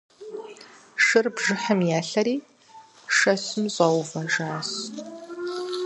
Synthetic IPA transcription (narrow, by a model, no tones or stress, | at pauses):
ʂɨrbʒɨħɐmjaːɬɐɾiː | ʂɐsɨmɕʼɐwvɐʒaːs